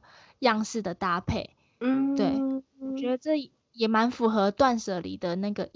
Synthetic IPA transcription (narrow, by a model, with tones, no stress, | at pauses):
jɑ˥˧ŋʂɹ̩˥˩d̪ə˩t̪a˥pʰe˥˩ɪ | t̪we˥˩ɪwɔ˨˩t͡ɕɥɛ˧˥d̪ə˧ʈ͡ʂɤ˥˩˨ | jɛ˨˩ma˧˥nfu˧˥xɤ˧˦t̪wa˥˧nʂɤ˨˩lḭ˨˩d̪ə˩na˥˩ɡə˩